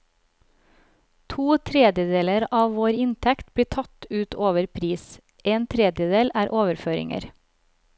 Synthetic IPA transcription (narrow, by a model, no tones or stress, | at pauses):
t̪ʰuːt̪ʰɾɛd̪jəd̪eːləɾɑːʋʋoːɾɪnt̪ʰɛkt̪bɽiːt̪ʰɑt̪ʉːt̪ʰoːʋəɾpʰɾiːs | eːnt̪ʰɾɛd̪jəd̪eːlæːɾʔoːʋəɾføːɾɪ̰ŋə̰ɾ